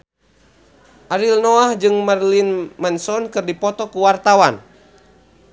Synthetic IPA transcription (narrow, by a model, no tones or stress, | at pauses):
ʔaɾilnɔahd͡ʒɨŋmarlinmɛnsɔnkɨrdipɔt̪ɔkuwart̪awan